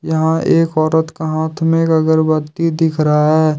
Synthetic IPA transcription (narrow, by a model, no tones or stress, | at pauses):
jɐɦãeːkɔːɾət̪kaɦaːt̪ʰmẽkɐɡəɾbɐt̪id̪ɪkʰɾɐɦaɦɛː